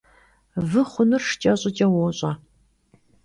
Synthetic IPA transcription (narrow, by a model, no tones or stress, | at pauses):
vɨχʷʊnɨrʂt͡ʃʼɐɕʼɪt͡ʃʼɐwɔɕʼɐ